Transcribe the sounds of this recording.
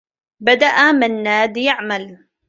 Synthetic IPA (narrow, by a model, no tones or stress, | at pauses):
bad̪aʔamɪnːaːd̪jaʕmal